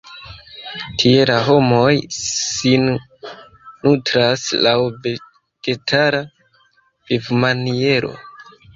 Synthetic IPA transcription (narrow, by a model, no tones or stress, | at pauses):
tʰie̞laɦo̞mo̞jsin | utɾaslawve | ɡ̥e̞tʰaɾa | v̥ivmanie̞ɾo̞̰